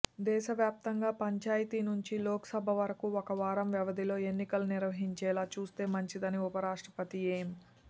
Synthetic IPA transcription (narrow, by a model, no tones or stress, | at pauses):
d̪ɛːʃɐʋjaːp̚t̪ɐŋɡaːpɐɲt͡ʃaːjɐt̪inuɲt͡ʃiloːkɐ̥sɐbʱɐʋɐɾɐkuɔkɐʋaːɾɐmʋjɛʋɐd̪ʱilo̞ːe̞nːikɐluniɾʋɐɦiɲt͡ʃɛːlaːt͡ʃuːst̪e̞ːmɐɲt͡ʃid̪ɐniupɐɾaːʂʈɾɐpɐt̪ieːm